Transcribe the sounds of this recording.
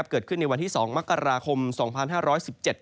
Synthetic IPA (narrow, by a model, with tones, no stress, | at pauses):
p̚kɤː˨˩t̪̚kʰɯ˥˩nːa˧jwa˧nt̪ʰiː˥˩sɔː˩˦ŋma˦˥kːa˧ɾaː˧kʰo˧msɔː˩˦ŋpʰa˧nhɦaː˥˩ɾɔː˦˥jsi˨˩p̚t͡ɕe˨˩t̪̚